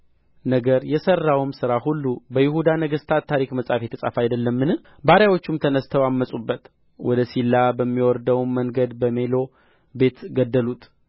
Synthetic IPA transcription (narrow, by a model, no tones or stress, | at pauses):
nəɡəɾjɛsərːawmsɨɾaɦulːubəjɪhud̪anəɡɨst̪ʰat̪t̪ʰːaɾikməsʼafjet̪ʰəsʼa̰fajd̪əlːəmːɨnɨ | baɾjawot͡ʃːumt̪ʰənəst̪ʰəwamːəsʼubːət̪ | wɔ̰d̪əsilːabəmːiwɔɾd̪əwnmːəŋɡəd̪bəme̞lo̞ | be̞t̪ɡəd̪ːəlut̪